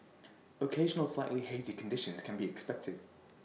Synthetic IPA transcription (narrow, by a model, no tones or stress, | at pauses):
əkʰeɪʒənəlˠslaɪʔliheɪzɪkʰə̃ndɪʃə̃nz̥kʰə̃nbiɛkspɛk̚tʰɪd̥